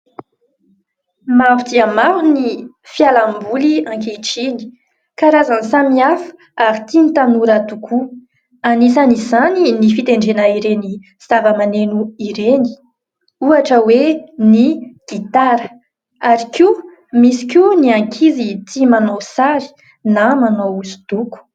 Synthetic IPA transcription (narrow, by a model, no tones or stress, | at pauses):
maɾut̪iamaɾuni | fjalambuliãŋkeʈ͡ʂini̥ | kaɾazanisamiafu̥ | aɾit̪init̪anuɾat̪ukʰu | anisanizaninifit̪eɳɖ͡ʐenəiɾeni | savəmanenuiɾeni̥ | uaʈ͡ʂəweniɡ̥it̪aɾə | aɾiki | misi̥kuniaŋkʰizit̪imanosaɾi̥ | namanouzu̥d̪̥uku̥